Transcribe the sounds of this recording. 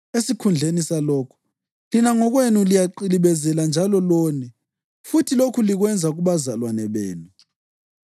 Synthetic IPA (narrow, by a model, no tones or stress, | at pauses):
esikʰund͡ɮʱenisalɔːkʰu̥ | linaŋɔɣwenulijaǃiliβɛzɛland͡ʒʱalɔloːnɛ | futʰilokʰuliɣwɛnd͡zʱaɣuβazalwanɛβḛːnu